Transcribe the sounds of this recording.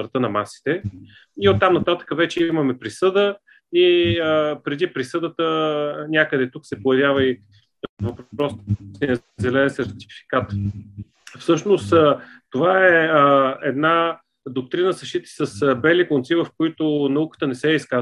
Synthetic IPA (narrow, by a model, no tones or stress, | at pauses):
ɾt̪ɤnɐmasi̥t̪ɛ | iot̪ːamnɐt̪at̪ə̥kəvɛt͡ʃɛiməmɛpɾisɤd̪ə | iəpɾɛd̪ipɾisɤd̪ət̪ənʲjakəd̪ɛt̪uksɛpojɐvʲjavəi | vɐppɾɔst̪sniə | zɛlɛnsɛɾt̪i̥fi̥kat̪ | fsɤʃnost̪t̪ovaɛəɛd̪na | d̪ok̚t̪ɾinəsɐʃt̪it̪i̥səsbɛlikont̪sivəfkoit̪onɐukə̥t̪ənɛsɛiska